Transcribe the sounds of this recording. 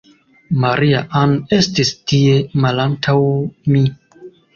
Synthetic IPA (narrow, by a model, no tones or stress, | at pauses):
maɾʔia̰ʔane̞stistie̞malantʰawmi